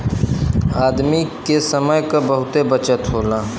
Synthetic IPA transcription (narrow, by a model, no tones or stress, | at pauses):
aːd̪mikesəməjkabəɦʊt̪ebət͡ʃət̪ɦoːlãː